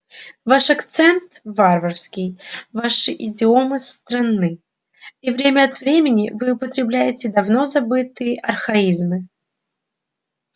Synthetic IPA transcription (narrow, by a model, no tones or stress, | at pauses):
vaʂɐkt̪sɛnt̪varvərskʲɪjvaʂɨʔɪdʲɪomɨst̪ɾanːɨ | ivɾʲemʲəɐt̪vɾʲemʲɪnʲɪvɨʊpət̪ɾʲɪblʲæjɪtʲɪd̪ɐvnozɐbɨt̪ɨjəʔɐrxɐizmɨ